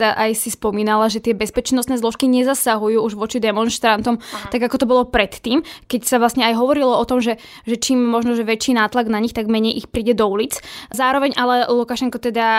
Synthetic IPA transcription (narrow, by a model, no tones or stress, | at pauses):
d̪aʔajsispɔmiːnalaʒɛt̪ɪɛbɛspɛt͡ʃnɔst̪nɛːzlˠɔʃkiɲɛzasaɦujuːuʒʋɔt͡ʃid̪ɛmɔnʃt̪ɾant̪ɔmt̪aɡakɔt̪ɔbɔlɔpɾɛt̪ːiːmkɛcsaʋlasɲɛajɦɔʋɔɾilɔɔt̪ɔmʒɛ | ʒɛt͡ʃiːmːɔʒnɔʒɛʋɛt͡ʃiːnaːt̪laɡnaɲixt̪aɡmɛɲɛjʔixpɾiːɟɛd̪ɔulit͡szaːɾɔʋɛɲʔalɛlukaʃɛŋkɔt̪ɛd̪a